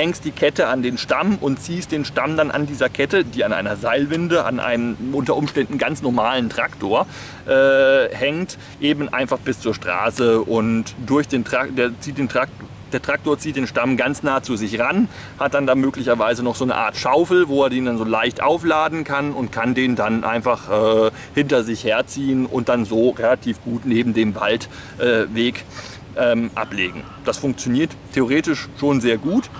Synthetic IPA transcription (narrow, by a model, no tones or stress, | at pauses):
hɛŋst̚d̥iːkʰɛtəandeːnʃtamʊntt͡siːst̚d̥eːnʃtamdanʔa̰ndiːzɐkʰɛtədiːanʔa̰ɪnɐzaɪlvɪndəʔa̰nʔa̰ɪnəmʔʊntɐʔʊmʃtɛndn̩ɡant͡snɔɐmaːləntʁ̥aktʰoːɐ | ʔɛːhɛŋt | ʔeːbmn̩ʔa̰ɪnfaχb̥ɪst͡suːɐʃtʁ̥a̰ːsəʔʊntd̥ʊɐçd̥eːntʁ̥ad̥eːɐt͡siːt̚d̥eːntʁa | d̥eːɐtʁ̥ak̚toːɐt͡siːt̚d̥eːnʃtamɡant͡snaːt͡suːzɪçʁan | hat̚d̥andaːmøːklɪçɐvaɪzənɔχz̥oːnə̰ʔa̰ːɐtʃaʊfl̩voːeːɐdiːndanzoːlaɪçtʔa̰ʊflaːdn̩kʰanʊntkʰandeːndanʔa̰ɪnfaχʔɛː | hɪntɐzɪçheːɐt͡siːənʊ̰nt̚d̥anzoːʁelatʰiːfɡ̥uːtneːbm̩deːmva̰lt | ʔɛːveːk | ʔɛːmʔa̰pleːɡŋ̩ | d̥asfʊŋkt͡sjoniːɐttʰeoʁ̞eːtɪʃʃoːnzeːɐɡuːt